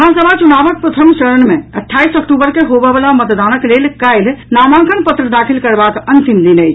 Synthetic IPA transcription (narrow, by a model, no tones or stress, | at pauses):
ɦãsəbʱat͡ʃunaːʋək̚pɾət̪ʰəmt͡ʃəɾəɳmẽɐʈʰːaːisɔkʈubəɾkeɦoːbəʋəlamət̪d̪aːnəkleːlkaɪlnaːmãːŋkʰənpət̪ɾəd̪aːkʰilkəɾbaːkənt̪imd̪inəjt͡ʃʰ